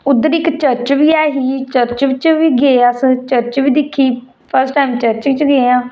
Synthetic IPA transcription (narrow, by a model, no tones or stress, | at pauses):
ʊd̪əɾɪkt͡ʃəɾt͡ʃʋiːɛːɦiːt͡ʃəɾt͡ʃʋt͡ʃʋiːɡeːast͡ʃəɾt͡ʃʋiːd̪ɪkʰːiː | pʰəɾsʈaːɪmt͡ʃəɾt͡ʃit͡ʃɡeːãː